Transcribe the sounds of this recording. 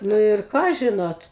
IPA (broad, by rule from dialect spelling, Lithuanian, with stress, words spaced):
nʊ ɪr ˈkɑː ˈʒʲɪnoːt